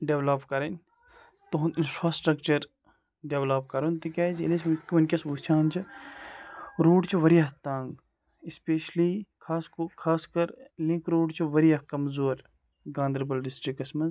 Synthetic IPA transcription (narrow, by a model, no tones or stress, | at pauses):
ɖeʋlɐpkɐɾɐnʲ | t̪oɦninfɾaːsʈɾɐkt͡ʃɐɾ | ɖeʋlɐpkɐɾont̪ikʲaːd͡ʒelesmɐkʲːiʋɐnʲkʲɐsut͡ʃʰãːnt͡ʃʰɐ | ɾoːɖt͡ʃʰuʋɐɾijɐɦt̪ãːŋɡ | ispeːʃlikʰaːskokʰaːskɐɾlĩŋkɾoːɖt͡ʃʰuʋɐɾijɐkɐmzoːɾ | ɡãːnd̪əɾbɐlɖɪsʈɾikɐsmɐnz